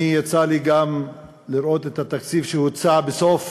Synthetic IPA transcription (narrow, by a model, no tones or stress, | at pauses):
ijat͡saliɡam | liɾo̞t̪et̪hat̪akt͡sifʃehut͡sabesof